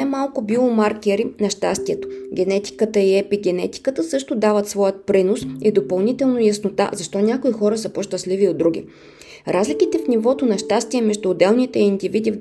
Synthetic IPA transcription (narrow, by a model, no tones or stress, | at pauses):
amalˠkʊbilˠomaɾkʲɛɾinɐʃt̪ast̪iɛt̪o̥ɡʲɛnɛt̪i̥kət̪əiɛpiɡʲɛnɛt̪i̥kət̪əsɤʃt̪od̪avət̪svɔjət̪̚pɾinosid̪opɐlˠnit̪ɛlˠnojɐsnot̪a̰zɐʃt̪ɔnʲakoixɔɾəsəpoʃt̪əsliviod̪ɾuɡ̟ʲḭ | ɾʔazlik̟it̪ɛfnivɔt̪onɐʃt̪ast̪iɛmɛʒd̪uːd̪ɛlˠnit̪ɛiind̪ivid̪iv